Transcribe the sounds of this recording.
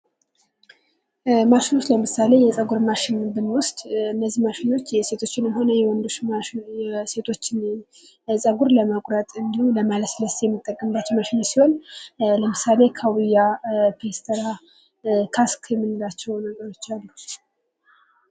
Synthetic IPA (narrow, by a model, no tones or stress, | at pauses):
maʃɪnwʊt̪ləmɨsale̞jɛsʼəɡuɾmaʃɪnbɨnwʊst̪ʼɨnːəzːimaʃino̞t͡ʃːjɛse̞t̪ʰo̞t͡ʃːɪnɨnɦo̞nəjɛwɔnd̪o̞ʃjɛse̞t̪ʰo̞t͡ʃːɪn | sʼəɡuɾləməkʼɾət̪ʼɨnd̪ihumləmaləsɨləst̪jɛmːɨt̪ʼːəkʼːəmbat͡ʃːɛwmaʃinosiho̞nləmɨsale̞kʰawɨjːapʰest̪ʰəɾa | kʰaskʰjɛmɨnɨlat͡ʃːɛwnəɡəɾo̞t͡ʃːalːu